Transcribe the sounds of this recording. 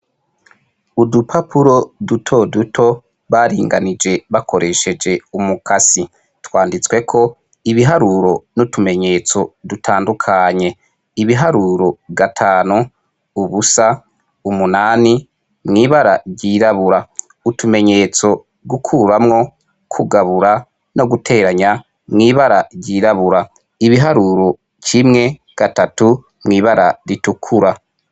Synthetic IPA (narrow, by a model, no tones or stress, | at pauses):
udupʰapʰuɾo̞dutʰo̞dutʰo̞ | βaːɾiːŋɡa̰nid͡ʒe̞βakʰo̞ɾʔe̞ʃe̞d͡ʒe̞umukasi | twaːndit͡swe̞kʰo̞ | iβiɦaɾuɾo̞nutʰume̞ɲe̞ːt͡so̞dutʰaːndukʰaɲe̞ | iβiɦaɾuɾo̞βɡatʰaːnu | uβusa | umunaːni | mŋiːβaɾaɾɟiɾaβuɾa | utʰume̞ɲe̞t͡so̞ | ɡukʰuɾamŋo̞ | kʰuɡaβuɾa | no̞ɡutʰe̞ɾaɲa | mŋiːβaɾaɟiːɾaβuɾa | iβiɦaɾuːɾo̞ | cimŋe̞ | ɡ̥atatu | mŋiːβaɾaɾitukʰuɾa